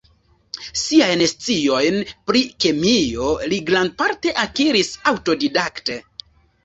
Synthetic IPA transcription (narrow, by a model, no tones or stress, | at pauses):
siajnest͡sio̞jnpɾikemio̞liɡɾanpaɾte̞ʔakiɾisawto̞didakte̞